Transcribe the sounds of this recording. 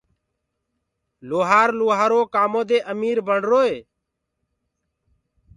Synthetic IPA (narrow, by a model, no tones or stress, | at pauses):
loːɦaːɾloːɦaːɾoːkaːmõːd̪eːʔəmiːɾbəɳɖɾoːeː